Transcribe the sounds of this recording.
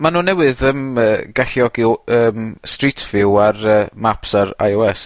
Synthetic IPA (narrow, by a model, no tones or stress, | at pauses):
manuːnɛwɨðəməːɡaɬjɔɡiəːmstritʰvɪwarəːmapsaɾa̰jɔɛs